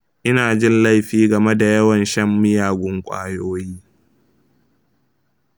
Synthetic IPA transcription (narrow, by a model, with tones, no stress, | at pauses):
ʔɪ˦naː˨d͡ʒɪ˦nla˦jɸiː˦ɡɐ˨me˦da˨jɐ˦wɐ˨nʃɐ˦mːɪ˦jaː˨ɡʷʊ˦ŋkʷʼa̰ː˦joː˦jiː˦